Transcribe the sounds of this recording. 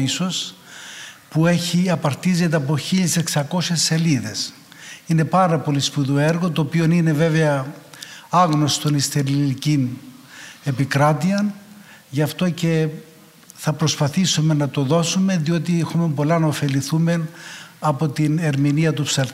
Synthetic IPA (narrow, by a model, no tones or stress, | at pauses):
iso̞s | pue̞çiɐpɐɾt̪izet̪̬eɐpo̞çiʎeseksɐko̞sesːe̞liðe̞s | ine̞pɐɾɐpo̞lispuðueɾɣo̞t̪o̞ːpio̞nine̞ve̞veɐ | ɐɣno̞st̪o̞nist̪eɾilicin | e̞pikɾɐt̪iɐn | ʝɐft̪o̞ce̞ | θɐpɾo̞spɐθisume̞nɐt̪o̞ðo̞sume̞ðio̞t̪iexume̞po̞lɐnɐofe̞liθume̞nɐpo̞t̪ine̞ɾminiɐt̪̬upsɐl